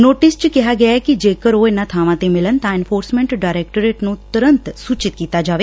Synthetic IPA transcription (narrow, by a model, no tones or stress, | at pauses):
noːʈist͡ʃkɛɦaɡəjaekid͡ʒekəɾoenat̪ʰaʋãt̪emɪlənt̪ãɛnfoːɾsmẽɳʈɖajɾek̚ʈəɾeʈnũt̪əɾənt̪sut͡ʃɪt̪̚kit̪ad͡ʒaːʋe